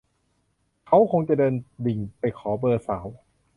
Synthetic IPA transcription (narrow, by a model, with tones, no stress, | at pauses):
kʰa˦˥wkʰo˧ŋt͡ɕa˨˩dɤː˧ndi˨˩ŋpa˧jkʰɔː˩˦bɤː˧saː˩˦w